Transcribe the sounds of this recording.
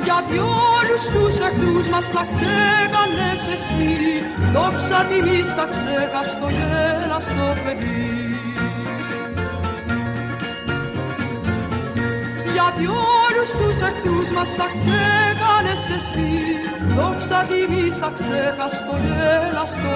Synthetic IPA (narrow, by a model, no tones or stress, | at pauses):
jad̪jolust̪usɛkt̪uzmaslaksɛkanɛsɛsi | d̪ɔksad̪imist̪aksɛkast̪ɔjɛlast̪ɔpɛd̪i | jad̪jolust̪usɛkt̪uzmaslaksɛkanɛsɛsi | d̪ɔksad̪imisaksɛkast̪ɔjɛlast̪o